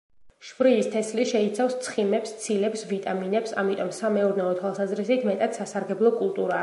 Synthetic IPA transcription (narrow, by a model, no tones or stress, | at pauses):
ʃvɾiːst̪ʰɛsliʃɛit̪sʰafst̪sʰχimɛpst̪sʰilɛpsvit̪ʼaminɛpsamit̪ʼɔmsamɛɔɾnɛɔt̪ʰwalˠsazɾisit̪ʰmɛt̪ʼat̪sasaɾɡɛblˠɔkʼulˠt̪ʼuɾa